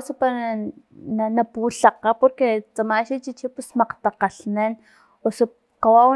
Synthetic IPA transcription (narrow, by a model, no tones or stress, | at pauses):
supa | nanapuɬaqapoɾket͡samaʃit͡ʃit͡ʃipusmaqt̪aqaɬnen | osu | qawaw